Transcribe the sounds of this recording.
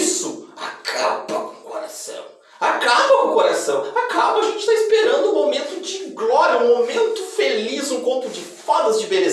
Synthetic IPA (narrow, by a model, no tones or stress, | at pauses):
sʊa̰kʰabɐ̰kõkoɾasɐ̰̃w̃ | akabɐkõkoɾasɐ̃w̃akabɐaʒẽt͡ʃɪ̥t̪aispeɾɐ̃nd̪ʊũmomẽnt̪ʊd͡ʒɪɡlɔɾjɐũmomẽnt̪ʊfelizũkõp̪ʊd͡ʒɪfad̪ɐzd͡ʒɪbeɾe